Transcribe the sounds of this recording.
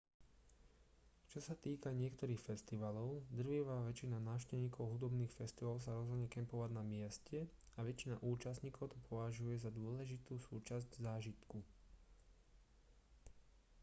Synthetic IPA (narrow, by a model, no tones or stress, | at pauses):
t͡ʃɔsat̪iːkaɲɪɛkt̪ɔɾiːxfɛst̪iʋalɔʊd̪r̩ʋiʋaːʋɛt͡ʃinanaːʊʃcɛʋɲiːkɔʊɦud̪ɔbniːxfɛst̪iʋals̬aɾɔzɦɔd̪ɲɛkɛmpɔʋaɟnamɪɛscɛ | aʋɛt͡ʃina̰ʔuːt͡ʃast̪ɲiːkɔʊt̪ɔpʰɔʋaʒujɛzad̪ʊɔlɛʒit̪uːsuːt͡ʃazɟzaːʒit̪ku